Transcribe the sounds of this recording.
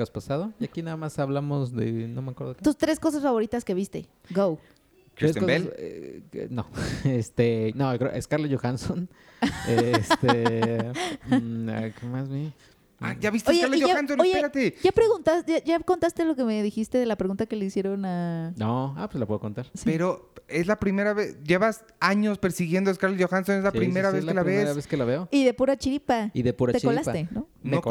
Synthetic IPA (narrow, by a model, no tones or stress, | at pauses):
aspasaðoʝakinaðamasaβlamozðḛnomeakweɾðoket̪ust̪ɾe̞sko̞s̬asfaβo̞ɾit̪aske̞βist̪e̞̰ | ɡow | tɾiɾseskoel̰ | no̰est̪enojokɾeo̰ʔḛskaɾlaʝoxanson | est̪e | a̰kemazβjen | a̰ʝaβist̪ojkeaɾlejoaxansonojsepeɾat̪eɟ͡ʝapɾeɣunt̪asʝaʝako̞nt̪ast̪elo̞kemeðixist̪eðe̞lapɾeɣunt̪ake̞le̞isje̞ɾo̞nanoa̰pweslapweðokont̪aɾsie̞ɾoe̞zlapɾime̞ɾaβesɟ͡ʝe̞βas | aɲo̞spe̞ɾsiɣje̞nd̪oeskaɾleʝoxanso̞nezlapɾime̞ɾaβeselaβesβeselaβeoiðepuɾat͡ʃiɾipaiðepuɾat̪t͡ʃkolasat̪eno | no